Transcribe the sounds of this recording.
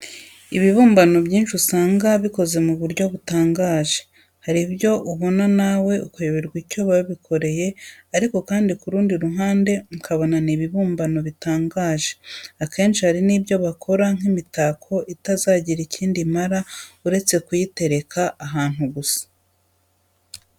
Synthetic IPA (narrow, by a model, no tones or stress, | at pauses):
iβiβuːmbano̞bjiːnt͡ʃusaːŋɡaβiko̞ze̞muβuɾɟo̞βutaːŋɡaːʒe̞ | haɾibjo̞ʔuβo̞nanawe̞ukujuβiɾɡwicoβajoβikʰo̞ɾe̞je̞aɾiko̞kaːndikuɾuːndiɾuɦaːnde̞ukʰaβo̞naniβiβuːmbano̞βitaːŋɡaːʒe̞̥ake̞ːnʃihaɾiniːbjo̞βakʰo̞ɾaŋ̥imitaːkʰo̞ʔitazaːɟiɾiciːndimaɾauɾe̞t͡se̞kujite̞ɾe̞kʰaaɦaːn̥huɡusḁ